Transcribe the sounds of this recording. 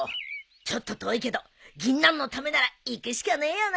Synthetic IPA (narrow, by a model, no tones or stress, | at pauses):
t͡ɕo̞t̪ːo̞t̪o̞ike̞d̪o | ɡʲĩnːãnːo̞t̪ame̞naɾaikɯ̟ɕi̥kaneːjon